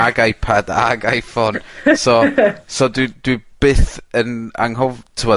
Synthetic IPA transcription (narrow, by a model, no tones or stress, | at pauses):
aɡajpʰada̰ɡajfɔnsɔsɔdwɪd̥wib̥ɨːθəna̰ŋɦɔvtʰəwɔ